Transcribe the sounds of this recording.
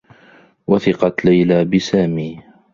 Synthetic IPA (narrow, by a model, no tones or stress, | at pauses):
waθɪqɑt̪lajlaːbɪsaːmiː